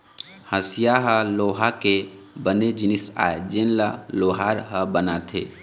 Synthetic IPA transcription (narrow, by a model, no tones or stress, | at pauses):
həsijaɦəloːɦake | bəned͡ʒɪnisa̰ːed͡ʒenlaloːɦaːɾɦəbənat̪ʰḛː